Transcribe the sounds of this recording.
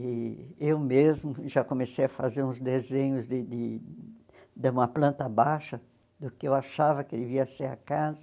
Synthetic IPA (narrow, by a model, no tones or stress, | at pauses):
ɪewmezmʊʒakomesejɐfazeɾũzd̪ezẽɲʊzd̪ɪd̪ɪ | d̪ɪũmɐplɐ̃nt̪ɐabajʃɐ | d̪ʊkɪewaʃavɐkɪd̪ɪviɐsejakazɐ